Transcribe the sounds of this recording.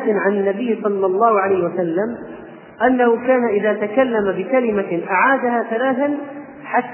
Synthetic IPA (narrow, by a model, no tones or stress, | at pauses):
ɪʕanɪnːabɪjːsˤɑlːɑlˤːɑːhʕalajhɪwasalːam | ʔanːahʊkaːnaʔɪðaːt̪akalːamabɪkalɪmaʔaʕaːd̪ahaθalaːθan | ħat̪ː